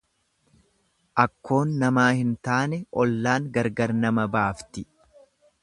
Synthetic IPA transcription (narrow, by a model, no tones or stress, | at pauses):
ʔɐkːo̞ːnːɐmaːhɪnt̪aːnɛɔlːaːŋɡɐɾɡɐɾnɐmɐbaːft̪ɪ